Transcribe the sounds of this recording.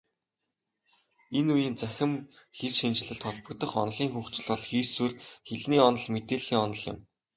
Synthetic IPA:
enujiːnt͡sæxʲɪ̆m | xeɮʃint͡ɕ̆ɮɘ̆ɬt̪ʰɔɮpɞ̆kt̪ɞ̆χɔ̰nɮiːŋxuːxt͡ɕɪ̆ɮɔɮxiːsurxeɮniːɔnɞ̆ɮmet̪eːɮiːŋɔnɞ̆ɮɪ̰̆m

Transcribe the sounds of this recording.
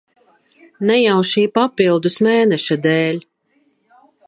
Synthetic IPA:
nɛjawʃiːpapilˠd̪usmeːnɛʃad̪ɛːlʲ

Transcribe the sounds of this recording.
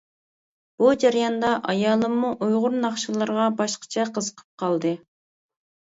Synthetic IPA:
b̥ud͡ʒæɾjɑnd̪ɑʔɑjɑːlˠɨmːuʔujʁʊɾnɑχʃɨlˠɨɾʁɑbɑʃqʰə̥t͡ʃʰɛqʰəzəqʰə̥p̚qʰɑlˠd̪ɨ

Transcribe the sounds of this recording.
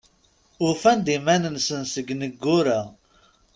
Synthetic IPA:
ʊɾfænd̪imænənsənsəɡnəɡːʊɾa

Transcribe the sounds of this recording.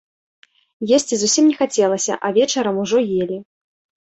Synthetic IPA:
jɛsʲt͡sʲizusʲimnʲɛxat͡sʲɛlˠɐsʲɐ̰ʔɐvʲɛt͡ʂɐɾɐmuʐɔjelʲi

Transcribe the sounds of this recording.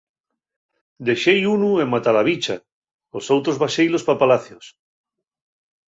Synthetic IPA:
d̪e̞ʃejunuemːat̪alaβ̞it͡ʃa̰ | osowt̪ɾozβaʃejlospapalaθjos

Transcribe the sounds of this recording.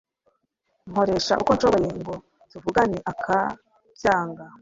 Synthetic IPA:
ŋ̥o̞ɾe̞ʃa̰ʔukonʃoβo̞je̞ŋɡo̞ | tivuɡaneʔakʰa | vjaːŋɡa

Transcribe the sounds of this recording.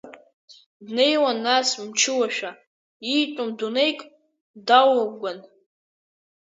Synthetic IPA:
dne̞jwanːasmt͡ʃʰɪwaʃᶣa | itʷʼʊmdune̞jkʼ | dawaɡʷan

